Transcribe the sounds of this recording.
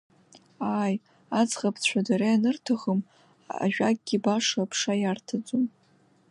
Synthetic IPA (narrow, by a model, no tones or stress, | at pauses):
aːj | at͡sʁapʰt͡ɕʷʰadaɾaanɨrtʰaʁəm | a̰ʒᶣʷaɡ̚ʼɡʲibaʂapʰʂajartʰad͡zʼum